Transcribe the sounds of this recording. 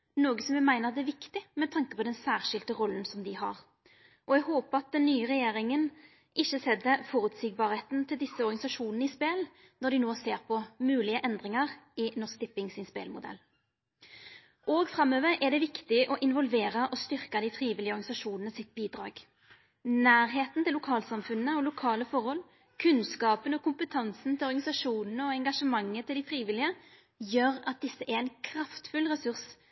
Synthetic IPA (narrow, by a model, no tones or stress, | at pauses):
noːɡəsɔmʋɛmæɪnəʁɑt̪d̪ɛæʋɪkt̪ɪmɛt̪ʰɑŋkəpʰɔd̪ɛnsæːʁʂɪlt̪əʁɔlːən̩sɔmd̪ɪɦɑ̰ʁ | ʔɔɛɡɦoːpəɑt̪̚d̪ɛnːyːəʁɛjeːɾɪŋən | ʔɪçːəsɛd̪əfɔːɾʉːt̪siːɡ̚bɑːɾheːt̪nt̪ʰɪld̪ɪsːəɔʁɡɑnɪsɑʂuːnən̩ɪspeːl | nɔd̪ɪnoːseːʁpʰɔmʉːlɪəʔɛnd̪ʁɪŋɑʁɪnɔskt̪ɪpːɪŋsɪnspḛːlmʊd̪ɛ̰lː | ʔoːɡfɾɑmøːʋəɾʔɛd̪ɛʋɪkt̪ɪʔɔʔɪnʋɔlʋeːʁɑʔɔst̪ʏʁkɑd̪ɪfɾiːʋɪlɪəɔɾɡɑɪsɑʂuːnənəsɪt̪̚biːd̪ʁɑ̰ːɡ̥ | næːɾɦeːt̪nt̪ɪlːʊkʰɑːlsɑmfʉnːəɔlʊkʰɑːləfɔʁhɔl | kʰʉnskɑːpənɔkʊmpət̪ʰɑnsn̩t̪ɪlɔʁɡɑnɪsɑʂuːnnəɔɛŋɡɑʂəmɑŋːət̪ʰɪld̪ɪfʁiːʋɪlɪə | jøːɾɑt̪̚d̪ɪsːəʔɛɾɛɪnkʰʁɑft̪fʉlʁɛsʉʁs